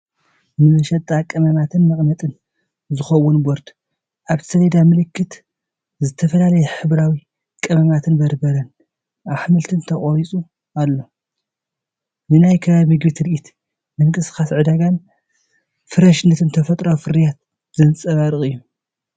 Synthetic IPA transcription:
nɨmɐʃɐt̪ʼːakʼɐmɐmat̪ʰɨnmɨχʼnɐt̪ʼɨn | zɨxɐwːunboɾd̪̥ | ʔaβsɐlɐd̪amɨlɨkʰːɨt̪ | zɨt̪ʰɐfɐlalɐjɛħɨβɾawi | kʼɐmɐmat̪ʰɨnbɐɾbɐɾɐn | ʔaβħmɨlt̪ʰɨnt̪ʰɐχʼoɾit͡sʼu | alːo̞ | nɨnajkʰɐβaβimɨɡbɨt̪ʰɾɨʔit̪ | mɨŋkʼɨsɨ̥xasʕɨd̪aɡan | fɨɾɐʃnɨt̪ʰɨnt̪ʰɐfɐt̪ʼɾafɨɾijat̪ | zɐnt͡sʼɐβaɾɨχʼɨjːu

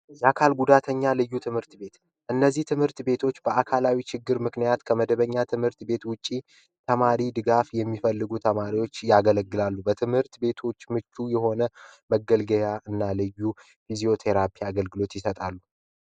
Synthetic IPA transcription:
jakʰalɡud̪at̪ʰəɲːalɨjːut̪ʰɨmhɨɾt̪be̞t̪ | ʔɨnːəzːiht̪ʰɨmhɨɾt̪be̞t̪ʰo̞t͡ʃːbəʔakʰalawit͡ʃʰɪɡːɨɾmɨknijat̪kʰəməd̪əβəɲːat̪ʰɨmhɨɾt̪be̞t̪wʊt͡ʃʼːi | t̪ʰəmaɾid̪ɨɡafjɛmːifəlːɨɡut̪ʰəmaɾiwo̞t͡ʃːjaɡələɡːɨlalːubət̪ʰɨmhɨɾt̪be̞t̪ʰo̞t͡ʃːmɨt͡ʃʼːujɛɦo̞nəməɡəlɡəjaʔɨnːalɨjːu | fizio̞t̪ʰe̞ɾapʰiaɡəlɡɨlo̞t̪jɪsət̪ʼalːu

